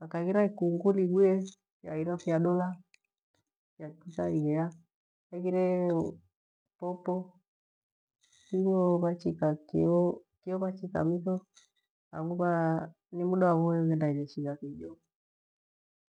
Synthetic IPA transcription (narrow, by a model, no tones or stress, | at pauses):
akaɣiɾaikuŋɡuliɡwɛ | jaiɾafiaɗɔla | fjakikaiɡɛja | aɣiɾɛ | pɔpɔ | kiɲɔβat͡ʃikakiɔkiɔβat͡ʃika̰miθɔ | a̰ŋuka | nimuɗawaβɔɣɛndainɛʃiɣakid͡ʒɔ